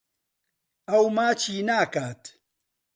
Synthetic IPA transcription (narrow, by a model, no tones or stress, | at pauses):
ɐwmaːt͡ʃʰiːnaːkaːt̪